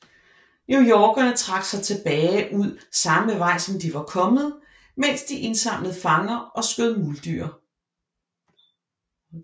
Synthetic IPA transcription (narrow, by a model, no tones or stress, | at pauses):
njujɒːɡ̥ɐnət͡sʰʁɑ̈ɡ̥sɑ̈ɪt͡sʰe̝b̥ɛːɪʔuð̞̰ˠsɑ̈məʋɑ̈ɪ̰sɒ̽md̥iʋɑ̈kʰɒ̽mð̞̩ˠ | men̰sd̥iʔe̝nsɑ̈m̰ləð̞̩ˠfɑ̈ŋɐʔɒ̽sɡ̥øðˠmuld̥yɐ